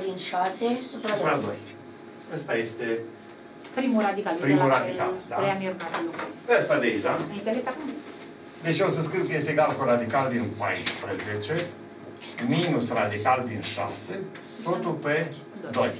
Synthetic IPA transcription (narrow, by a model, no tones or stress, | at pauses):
d̪inʃasesup̪apɾad̪o̞̰j | əst̪aje̞st̪e | pɾimuɾad̪ikalpɾimuɾad̪ika̰lld̪aɾejamioɾat̪səlukeseəst̪ad̪eʒaajnselesakum | d̪e̞t͡ʃosəskɾiwkəje̞st̪eɡalkoɾad̪ikald̪inpajspɾəzet͡ʃe̞ | minusrad̪ikald̪inʃa̰se | t̪ot̪upe | d̪o̞j